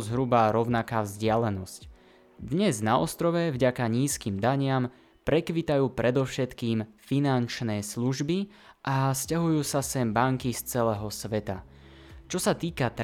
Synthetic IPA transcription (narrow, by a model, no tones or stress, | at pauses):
zɦɾubaɾɔʊnakaːvzɟɪalɛnɔsc | d̪ɲɛznaɔ̰st̪ɾɔʋɛvɟakaɲiːskiːmd̪aɲɪam | pɾɛkʋit̪ajuːpɾɛd̪ɔʊʃɛt̪kiːmfinant͡ʃnɛːsluʒbi | ʔascaɦujuːsasɛmbaŋkist͡sɛlɛːɦɔsʋɛt̪a̰ | t͡ʃɔsat̪iːkat̪